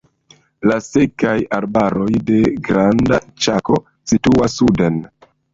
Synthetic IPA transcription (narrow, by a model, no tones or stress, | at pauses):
lasekajaɾbaɾo̞jde̞ɡɾanda̰t͡ʃako̞ | situasːude̞n